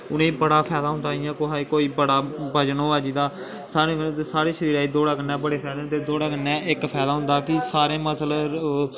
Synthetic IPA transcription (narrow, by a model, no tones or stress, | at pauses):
ʊnẽːbəɽaːpʰɛːd̪aːɦʊnd̪aːijãːkoɦaːiːkoːiːbəɽaːbəd͡ʒnõːaːd͡ʒiːd̪aː | saːɾẽkəñːt̪esaːɾeːʃəɾiːɾaːiːd̪oːɽaːkənːɛ̃ːbəɽeːpʰɛːd̪ẽt̪eːd̪oːɽaːkənːɛ̃ːɪkpʰɛːd̪aːɦʊ̃nd̪aːkɪsaːɾẽːməsl